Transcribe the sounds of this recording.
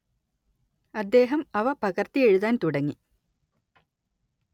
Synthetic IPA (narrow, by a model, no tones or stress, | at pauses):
ɐd̪ːe̞ːɦɐmɐʋɐpɐɣɐrt̪ie̞ɻuðaːnt̪uɽɐŋːi